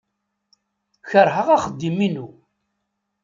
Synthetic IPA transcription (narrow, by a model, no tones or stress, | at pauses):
çəɾˤɦəʁaχəd̪ːiminu